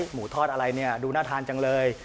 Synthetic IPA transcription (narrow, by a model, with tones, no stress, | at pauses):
muː˩˦t̪ʰɔː˥˩t̪̚ʔa˧ɾa˧jni˥˩ɐduː˧naː˥˩t̪ʰaː˧nt͡ɕa˧ŋlɤː˧j